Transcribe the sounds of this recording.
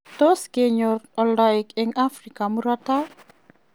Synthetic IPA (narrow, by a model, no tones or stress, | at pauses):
toskeɲɔtɔldaikɛŋafɾikamuɾata